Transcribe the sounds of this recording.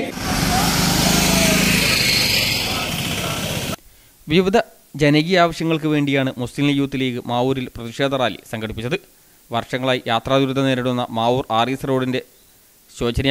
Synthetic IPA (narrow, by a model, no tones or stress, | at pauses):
ʋiʋid̪ʱɐ | d͡ʑenɐɣijaːʋɐɕjɐŋːɐɭkɨʋe̞ːɳɖijaːɳɨmuslimljuːt̪ːileːkɨmaːuːɾilprɐðiʂe̞ːd̪ʱɐraːlḭsɐŋɡɐɽipːit͡ɕːɐðɨ | ʋɐrʂɐŋːɐɭaːjijaːt̪raːd̪uɾud̪ʱɐneːɾɐɽunːɐmaːuːraːrisro̞ːɽinde̞ | ɕo̞ːt͡ɕɐnɐ